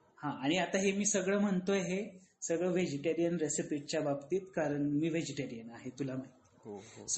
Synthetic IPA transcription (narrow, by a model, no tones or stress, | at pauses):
hãaɽ̃iat̪aɦemiːsəɡɭəːm̤əɳt̪oɦesəɡɭəːʋed͡ʑeʈeɾijənɾesipiʈ̚t͡ɕjababt̪iːt̪kaɾəɳmiːʋed͡ʑeʈeɾijənaɦet̪ulamaɦit̪i̥s